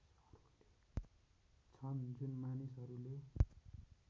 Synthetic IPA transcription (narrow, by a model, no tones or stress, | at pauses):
sʌrle̥ | t͡sʰʌnd͡zunmanisɦʌɾule